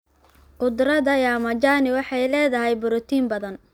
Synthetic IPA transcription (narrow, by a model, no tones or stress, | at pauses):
qʊd̪rɐðɐjaːmɐt͡ʃanɪwɑħɑjlɛːðɐɦɛjbʊɾɔt̪ʰiːmbɐðɐn